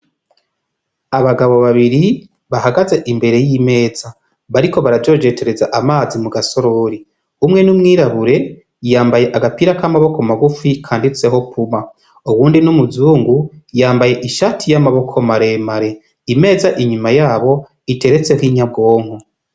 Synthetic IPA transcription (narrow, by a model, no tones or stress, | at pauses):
aβaɡaβo̞βaβiɾi | βahaɡaze̞ʔimbe̞ɾe̞jime̞ːz̥a | βaɾiko̞βaɾavɟo̞d͡ʒe̞tʰe̞ɾe̞zaʔamaːzimuɡaso̞ɾoɾi | umŋe̞numŋiːɾaβuɾe̞ | jaːmbaje̞ʔaɡapiːɾakamaβo̞ko̞maɡufikʰaːndit͡se̞ɦo̞pʰuma | uβuːndinumuzuːŋɡujaːmbaje̞ʔiʃatʰijamaβo̞kʰo̞maɾe̞maɾe̞ | ime̞ːzaʔiɲumajaːβo̞ | ite̞ɾe̞t͡se̞hwiːɲab̚ɡo̞ːŋ̥ho